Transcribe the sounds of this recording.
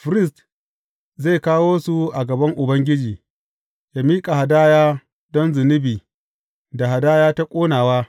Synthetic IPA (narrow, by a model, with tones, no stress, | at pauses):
fɾɪ˦˨st | ze˦˨kaː˦woː˦su˨ʔa˨ɡɐ˨bɐ˦ŋʔʊ˨bɐ˦ŋɡʲɪ˦d͡ʒiː˨ | jaː˦miː˦kʼa˨ha˨daː˦jaː˦ | dɔ˦nzʊ˨nɪ˦biː˨ | da˨ɦa˨daː˦jaː˦ta˦kʷʼoː˦naː˨waː˦